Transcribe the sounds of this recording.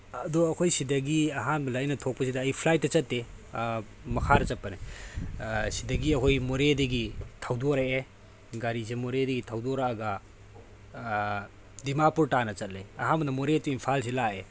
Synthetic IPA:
ɐdɔɐkʰojsidɐɡiɐɦanbɐlɐjnɐtʰɔk̚pɐsidɐːjpʰlajtːɐt͡ʃɐtːe | mɐkʰaɾɐt͡ʃɐpːɐne | sidɐɡiɐkʰojmoɾedɐɡitʰawdoɾɐe | ɡaɾisemoɾedɐɡitʰawdoɾaːɡɐ | dimapuɾtanɐt͡ʃɐt̚lejɐɦanbɐnɐmoɾetuinpʰals̬ilae

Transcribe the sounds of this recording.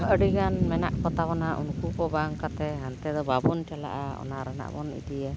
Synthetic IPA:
əɖiɡanmɛnaʔkɔt̪abɔnaʔṵnkukɔbaŋkat̪ɛɦant̪ɛd̪ɔbabɔntala̰ʔaɔ̰naɾɛna̰ʔbɔnḭd̪iɛ

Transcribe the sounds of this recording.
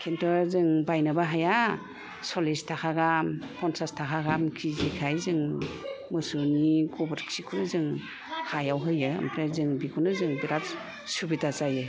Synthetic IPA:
kʰentʰɔɾzɯŋbajnabaɦaja | sɔlistʰakʰaɡampʰɔnsastʰakʰaɡamkʰizikʰajzɯŋmɯsunikɔbɾksikʰunɯzɯŋ | hajawɦɯjɯ̰ːmpʰɾezɯŋbikʰunɯzɯŋbiɾat | subitazajɯ

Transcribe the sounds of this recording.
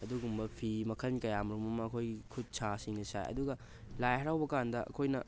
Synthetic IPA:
ɐduɡumbɐpʰimɐkʰɐnkɐjamɾumɐmɐːkʰojɡikʰut̚sʰasiŋnɐsa̰jɐ̰duɡɐ | lajɦɐɾawbɐkandɐʔɐ̰kʰojnɐ

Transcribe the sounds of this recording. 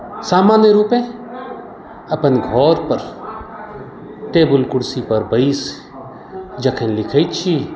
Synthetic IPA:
saːmaːnjəɾuːpẽ | ɐpənɡʱɔːɾpɐɾ | ʈeːbʊlkʊɽsipɐɾbɐiːs | d͡ʒɐkʰə̃nlɪkʰəit͡ʃʰiː

